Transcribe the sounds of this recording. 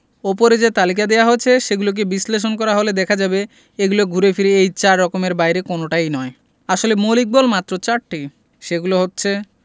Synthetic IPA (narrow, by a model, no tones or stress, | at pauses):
ɔpoɾed͡ʑet̪alikad̪ewaɦoet͡ɕʰeʃeɡulok̬ebisleʃ̬onkɔɾaɦoled̪ɛkʰad͡ʑabe | eɡuloɡʱuɾefiɾeejt͡ɕaɾːɔkomeɾbajɾekonoʈajnɔe | aʃolemolik̚bɔlmat̪ːɾot͡ɕaʈʈːi | ʃeɡuloɦotːɕʰe